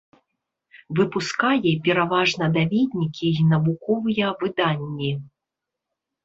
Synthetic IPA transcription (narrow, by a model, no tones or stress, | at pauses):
vɨpuskajɛpʲɛɾavaʐnɐd̪avʲed̪ʲnʲikʲinɐbukɔvɨjɐvɨd̪anʲːi